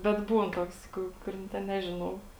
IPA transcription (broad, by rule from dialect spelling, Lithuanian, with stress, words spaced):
bʲɛt ˈbuːn ˈtoːks ˈkʊ kʊˈrʲɪn tʲɛn ˈnʲæːʒʲɪˌnɐʊ